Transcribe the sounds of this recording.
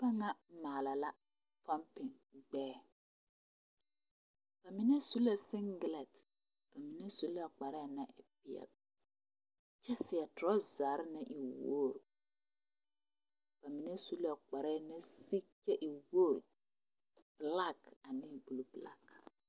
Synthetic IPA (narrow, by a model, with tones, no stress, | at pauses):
ba˦ŋa˦maː˨la˨la˦ | fa˦mpɪ˨ŋ | ɡ͡bɛː˦ | b̥a˨mɪ˨nɛ˦su˦la˨sɪ˦ŋɡɪ˨lɛ˨t | b̥a˨mi˨nɛ˦su˦la˦˨k͡pa˨ɾɛ˦˨na˦ʔɪ˨pɪ˨ɛ̰˨l | t͡ʃɛ˦sɪ˨ɛ˨tʊ˨ɔ˦zaː˨ɾɪ˦nɪ˦ʔi˨woː˦˨ɾ | b̥a˨mi˨nɛ˦su˦la˦k͡pa˨ɾɛ˦˨nɛ˦si˦t͡ʃɛ˦ʔi˨woː˦˨ | b̥la˦ka˨nɪ˦˨bu˨lu˦bla̰˦k